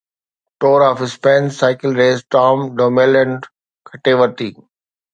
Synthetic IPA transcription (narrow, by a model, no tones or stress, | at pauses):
ʈoːɾɔːfɪspɛ̃ːnsaɪkɪlɾeːsʈɔːmɖoːmelɛ̃ɳɖ | kʰəʈeːʋəɾt̪iː